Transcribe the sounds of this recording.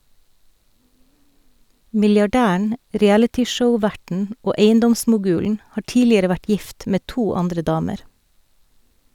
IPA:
mɪljɑˈɖæːæɳ ɾiːˈælətɪˌʃəʊˌʋæʈn̩ ˈoː ˈeɪənˌdɔmsmʊˌɡʉːln̩ ˈhɑː ˈʈiːlɪəɾə ˈʋæʈ ˈjɪft ˈmeː ˈtuː ˈɑndɾə ˈdɑːməɾ

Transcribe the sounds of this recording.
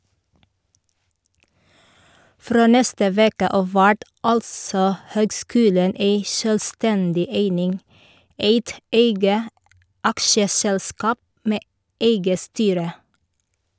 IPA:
ˈfɾoː ˈnɛstə ˈʋeːkə ˈɑːʋ ˈʋæʈ ˈɑlsɔ ˈhøːɡˌskʉːlən ˈeɪ ʃœlˈstɛndɪ ˈeɪnɪŋ ˈeɪt ˈeɪɡə ˈɑkʃəˌsɛlˌskɑːp ˈmeː ˈeɪɡə ˈstyːɾə

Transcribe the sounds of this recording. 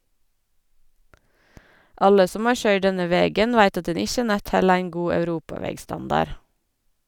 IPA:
ˈʔɑlə ˈsɔm ˈɑːɹ ˈçœʏɖ ˈdɛnə ˈʋeːɡən ˈʋæɪt ˈɑt ˈdɛn ˈɪçə ˈnæt ˈhɛl ˈæɪŋ ˈɡuː œʉˈɾuːpɑˌʋɛɡˌstɑndɑɾ

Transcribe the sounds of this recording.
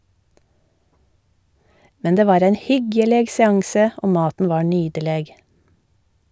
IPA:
ˈmɛn ˈdeː ˈʋɑːɾ ˈæɪn ˈhʏɡjɛleːɡ sɛˈɑŋsə ˈʔoː ˈmɑːtn̩ ˈʋɑːɾ ˈnyːɟəleːɡ

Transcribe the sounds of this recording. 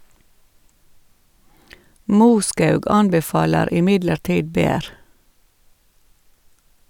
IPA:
ˈmuːˌskɑʉɡ ˈɑnbɛˌfɑːləɾ ɪˈmɪdləɾˌtiːd ˈbeːɾ

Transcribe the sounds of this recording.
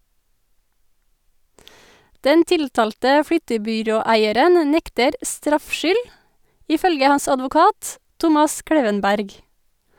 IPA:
ˈdɛn ˈtɪltɑːltə ˈfɽʏtəbʏˌɾoːˌæɪəɾən ə ˈnɛktəɾ ˈstɾɑfʃʏl ɪˈfœlɡə ˈhɑns ɑdʋʊˈkɑːt ˈtʊmɑs ˈkɽeːʋənˌbæɾɡ

